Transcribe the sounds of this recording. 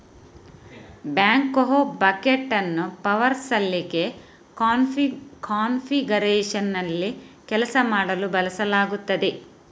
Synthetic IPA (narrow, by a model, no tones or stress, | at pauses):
bjaːŋkːoɦobɐkeʈːɐnːupɐʋɐɾsɐlːiɡe̞ | kaːnfiɡɐɾeːʂɐnːɐlːikɛlɐsɐmaːɽɐlubɐlɐsɐlaːɡut̪ːɐd̪e